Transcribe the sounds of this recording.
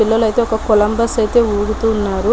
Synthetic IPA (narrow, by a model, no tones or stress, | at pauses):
ilːɐlɐjt̪eːɔkɐkulɐmbɐsɐjt̪e̞ːuːɡut̪uːnːaːɾu